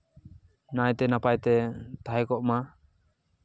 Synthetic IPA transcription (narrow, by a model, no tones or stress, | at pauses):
najt̪ɛnapajt̪ɛt̪aɦɛkɔʔma